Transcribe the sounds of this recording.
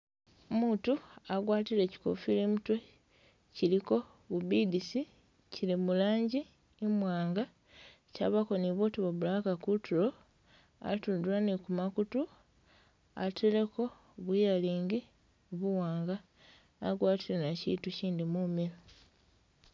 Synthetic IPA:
omuːtuaɡwaːtileci̥ko̰filimutwe | ciliko̞ | βubidisi | cilimulaːɲɟi | emwaːŋɡa | ca̰βako̞niβoːtiβoβulakakutʰuɾo̞ | a̰tuduɾanikumakutu | a̰tʰileko̞ | βujaliːŋɡi | βuwaːŋɡaː | ɡwaːtilenacḭtuciːndimumiɾo

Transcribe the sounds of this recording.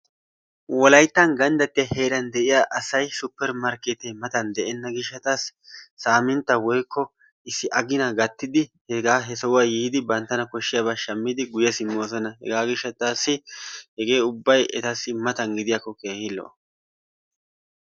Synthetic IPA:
wɔlɐjt̪ːɐnɡɐnd̪ɐt̪ːɪjɐhe̞ːɾɐnd̪ɛʔɪjaːʔɐsɐjsʊpːɛɾmɐɾkeːt̪emɐt̪ɐnd̪ɛʔɛnːɐɡɪʃːɐt̪asːaːmɪnt̪ːɐwɔjkːɔ | ɪsːɪʔɐɡɪnɐɡɐt̪ːɪd̪ɪhɛɡaːɦɛsɔwɐjiːd̪ɪbɐnt̪ːɐnɐkɔʃːɪjaβaʃɐmːɪd̪ɪɡʊjɛsɪmːo̞ːs̬ɔnɐɦɛ̰ɡaːɡɪʃːɐt̪asːɪhɛɡe̞ːʊbːɐjɛt̪asːɪmɐt̪ɐnɡɪd̪ɪjakːɔke̞ːhɪlːɔ̰

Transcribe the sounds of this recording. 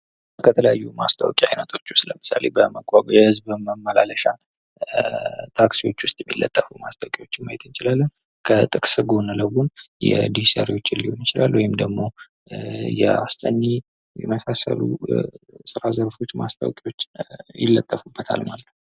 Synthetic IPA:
kʰət̪ʰələjajːuma̰st̪ʰʼa̰wkʼia̰jnət̪ʰo̞t͡ʃːʊst̪ləmɨsa̰lebəməkʼːaɡʼjɛhɨzbəməmːəlaləʃa | t̪ʰaksiwo̞t͡ʃːwʊst̪ʼjɛmːilːət̪ʼːəfumast̪ʼʰawkʼiwot͡ʃːɪmːajɛt̪ʰɨnt͡ʃɪlalːən | kʰət̪ʼɨkʼsɨɡo̞nələwunjɛ̰d̪isa̰ɾiwo̞t͡ʃːɪnlihonɪt͡ʃɪlalːwɔjɪmd̪əɡmo̞ | jɛa̰st̪ʼəɲːe | jɛməsasə̰lṵ | sɨɾazəɾfo̞t͡ʃːmast̪ʰʼa̰wkʼiwo̞t͡ʃːjɪ̰lːət̪ʼːəfubːət̪ʰa̰lmalət̪nəw

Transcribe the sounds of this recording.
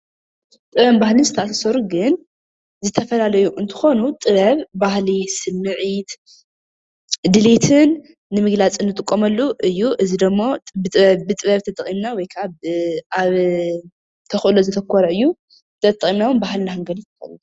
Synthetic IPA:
t̪ʼɨβɐmbahlɨnzɨt̪ʰɐʔasɐsɐɾuɡɨn | zɨt̪ʰɐfɐlalɐjuʔɨnt̪ʰɨ̥xo̞nut̪ʼɨβɐβbahlisɨmːɨʕit̪ | d̪ɨlet̪ʰɨnː | ɨmɨɡlat͡sʼɨnːɨt̪ʼɨkʼːomɐlːuʔɨjːuʔɨzid̪ɨmːo̞bɨt̪ʼɨβɐbɨt̪ʼɨβɐβt̪ʰɐt̪ʼɐχʼimnawɔjkʰaβʔaβ | t̪ʰɐxʔɨlozɨt̪ʰɐkʰːɐɾɐʔɨjːu | t̪ʰɐt̪ʼːɐkʼimnawɔnbahlnahɨŋɡɐlit̪ʰːɨkɐ̰l

